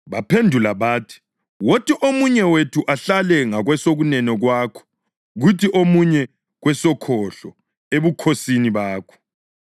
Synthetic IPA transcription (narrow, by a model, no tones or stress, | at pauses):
βapʰendʱulaβaːtʰi̥ | wotʰiʔomuɲɛwetʰuʔaɬalɛŋaɣwɛsoɣunɛnɔɣwaːkʰɔ̥ | ɣutʰiʔomuɲɛ | ɣwɛsɔkʰɔɬɔ | eβukʰosiniβaːkʰɔ̥